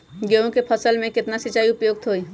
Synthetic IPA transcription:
ɡeõkepʰəsəlmẽkɪt̪nasɪt͡ʃaːiʊpjoːɡ̚t̪ʰɦoi

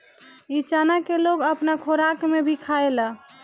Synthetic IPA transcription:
it͡ʃanakeloɡəpnakʰoɾakmebʱikʰaela

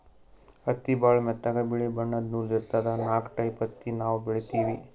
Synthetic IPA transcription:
ɐt̪ːibaːɭmɛt̪ːɐɡɐbiɭibɐɳːɐd̪nuliɾt̪ad̪ɐnaːkʈɐjpɐt̪ːinaːʋbiɭit̪iːʋi

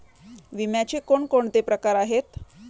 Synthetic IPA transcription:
ʋimjat͡ɕekoɳkoɳt̪epɾəkaɾaɦet̪

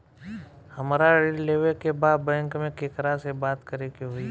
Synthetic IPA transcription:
həmɾaɾɪlleʋekebaːd̪bɛ̃ːŋkmẽkekəɾasebaːt̪kəɾekeɦʊiː

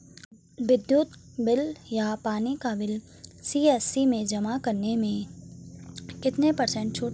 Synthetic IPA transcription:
ʋɪd̪juːt̪ | bɪljapaːnikaʋɪl | siːɛːsimẽd͡ʒɐmakɐɾnemẽ | kɪt̪nepɐɾsə̃ɳʈ̚t͡ʃʰoː

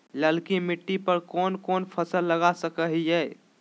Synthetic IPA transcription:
ləlkimiʈːipəɾkonkonpʰəsəlːəɡasəkəɦjɛj

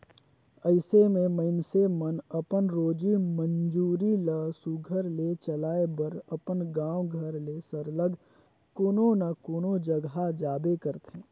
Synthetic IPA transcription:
əɪsemẽməɪnsemənəpənɾoːd͡ʒimənd͡ʒuːɾiləsuɡʱəɾlet͡ʃəlaːebəɾəpənɡãːwɡʱəɾlesəɾləɡ | kʊnonakʊnod͡ʒəɡɦad͡ʒaːbekəɾt̪ẽː

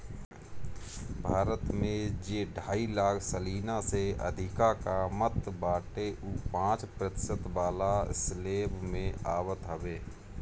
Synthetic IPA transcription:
bʱaːɾət̪mẽd͡ʒeːɖʱaːilaːkʰsəliːnaseə̰d̪ʱɪkakamət̪baːʈeʔuːpãːt͡ʃpɾət̪ɪ̥sət̪baːlaɪsleːbmẽaːwət̪ɦəʋeː

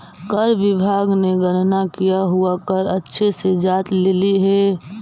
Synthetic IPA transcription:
kəɾʋɪbʱaːɡneɡənnakijaɦuakəɾətːʃʰesed͡ʒaːt̪leːliɦɛː

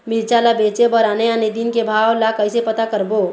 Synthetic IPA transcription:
miɾt͡ʃalabet͡ʃebəɾaneaned̪inkebʱawlakəjsepət̪akəɾbo

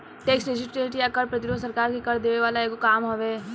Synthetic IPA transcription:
ʈeːksʈɖɪd͡ʒɪsʈɾeːʈjakɐɾpɾɐt̪ɪɾoːd̪sɐɾkaːɾkikɐɾd̪eːʋeʋaːlaeːɡokaːmɦoʋeː

